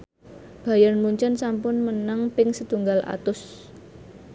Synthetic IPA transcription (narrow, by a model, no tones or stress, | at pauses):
b̥ä̤janmuɲt͡ʃənsampʊnmənaŋpɪŋsət̪uŋɡalʔa̰t̪ʊs